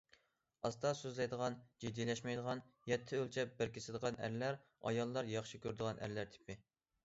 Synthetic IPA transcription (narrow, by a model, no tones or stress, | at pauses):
ɑst̪ɑsøzlɛjd̪əʁɑnd͡ʒid̪ːijlɛʃmɛjd̪əʁɑn | jɛt̪ʰːɪølt͡ʃʰɛp̚bɪɾkʲʰesɪd̪əʁɑnæ̰ɾlæɾ | ɑ̰jɑlˠːɑɾjɑχʃɪkʲøɾd̪əʁɑnʔæ̰ɾlæɾt̪ʰɪ̥pɪ